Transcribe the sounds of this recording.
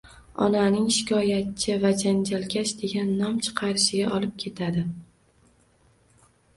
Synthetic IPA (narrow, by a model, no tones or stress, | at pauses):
ɒ̰nanɪŋʃɪ̥kʰʲɒjat̪̚t͡ʃʰɪvad͡ʒand͡ʒalkʲʰaʃd̪e̞ɡʲanːɒmt͡ʃʰɨ̥qʰɑɾɪʃɪɡʲaʔɒlɪp̚kʲʰe̞t̪ʰad̪ɪ